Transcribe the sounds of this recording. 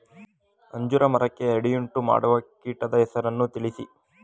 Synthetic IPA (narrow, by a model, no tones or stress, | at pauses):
ɐɲd͡ʒuɾɐmɐɾɐkːe̞ɐɽijuɳʈuma̰ːɽuʋɐkiːʈɐd̪ɐɦɛsɐɾɐnːut̪iɭisi